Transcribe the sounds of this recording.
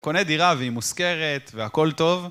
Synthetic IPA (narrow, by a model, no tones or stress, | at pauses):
ko̞ned̪iʁaveimuske̞ʁet̪veako̞lt̪o̞v